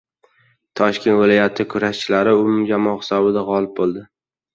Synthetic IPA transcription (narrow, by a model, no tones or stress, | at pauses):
t̪ʰɒʃkʲe̞nt̪vɪlˠɒjat̪ʰɪkʰʊɾaʃt͡ʃʰɪlaɾɪʊmʊmd͡ʒamɒχɪ̥sɒbɪd̪aʁɒlɪp̚bolˠd̪ɪ